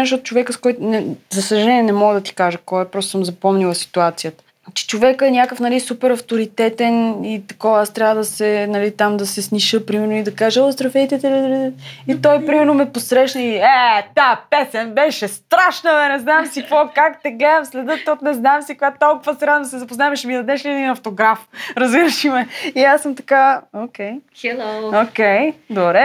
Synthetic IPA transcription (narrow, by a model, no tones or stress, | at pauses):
ʃtɔt̪ʊ̥t͡ʃovɛkəskɔjt̪ʊnɛzɐsəʒɐlɛniɛnɛmɔɡəd̪ɐt̪i̥kaʒəkɔɛpɾɔst̪səmzɐpɔmnilˠəsi̥t̪uat̪sijət̪ə̥ | t͡ʃɛ̥t͡ʃovɛkəɛnʲakəfnɐlisupɛɾɐft̪oɾit̪ɛt̪ɛnit̪ɐkɔvast̪ɾʲavəd̪ɐsɛnɐlit̪amd̪ɐsɛsniʃɤpɾimɛɾnoid̪ɐkaʒɛlˠst̪ɾɐfɛjt̪ɛt̪ɛd̪lit̪ɔjpɾimɛɾnomɛposɾɛʃnəiɛt̪apɛsɛnbɛʃɛst̪ɾaʃnəvɛnɛznamsikvɔkakt̪ɛɡlɛd̪əmslɛd̪ət̪ɔt̪nɛznamsikoɡat̪ɔlˠkʊvəsɛɾad̪nd̪ɐsɛzɐpoznaɛmɛʃɛmid̪ɐd̪ɛʃlid̪inɐft̪oɡɾafɾɐziɾəʃimɛiasːɤmt̪ɐ̥kaokɛj | okɛjd̪obɾɛ